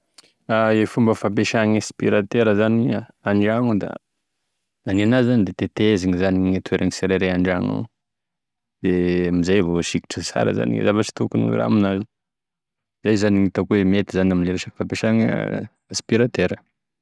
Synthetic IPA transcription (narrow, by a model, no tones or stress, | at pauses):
aefumbəfap̬eʃaŋespiɾat̪eɾəzaniaɳɖ͡ʐaŋud̪a̰ | nanianazizːanid̪et̪et̪eziŋizaniŋat̪ʰueɾʔaŋiseɾeɾeaɳɖ͡ʐaŋa̰ | d̪̥eamizajvoʃiki̥ʈ͡ʂəsa̰ɾə̰za̰nḭzavat͡ʃi̥t̪ukunṵɾa̰minazi | zajzaniŋit̪akuwemet̪izanaminleɾeʃaki̥fapeʃaŋ | aspiɾat̪eɾə